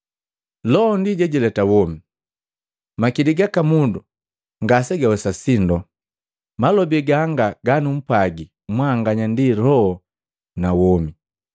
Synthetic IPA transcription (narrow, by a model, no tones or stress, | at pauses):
lɔɔndiɟɛɟɛlɛtawɔmi | makiliɡakamundu | ŋɡasɛɡawɛsasindɔ | malɔbiɡaŋɡaɡanum̩paɡi | mwaŋɡaɲandilɔhɔ | nawɔmi